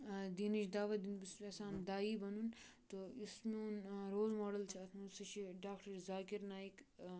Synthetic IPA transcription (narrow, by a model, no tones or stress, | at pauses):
d̪inɐt͡ʃʰd̪aːʋɐd̪inbisesãːnd̪aːibɐnunt̪oismeunɾoːzmoːɽɐlt͡ʃʰɐɐt̪ʰmɐsɐt͡ʃʰiɖaːkʈɐɾzaːkiɾnaːik